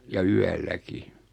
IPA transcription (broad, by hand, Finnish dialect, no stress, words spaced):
jɑ yælːæki